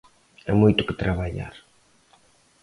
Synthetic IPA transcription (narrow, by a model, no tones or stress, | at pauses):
ɛmojt̪ʊkɪt̪ɾaβaʎa̰ɾ